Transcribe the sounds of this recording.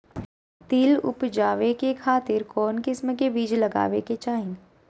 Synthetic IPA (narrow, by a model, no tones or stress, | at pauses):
t̪iːlʊ̰pd͡ʒaːʋekekʰaːt̪ɪɾkɔːnkɪsmkebiːd͡ʒlɐɡa̰ːʋeket͡ʃaːɦɪ̃